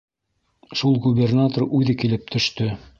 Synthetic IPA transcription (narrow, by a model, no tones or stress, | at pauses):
ʃulˠɡubʲernat̪orʉðɘkilɘp̚t̪ʰɵ̆ʃt̪ɵ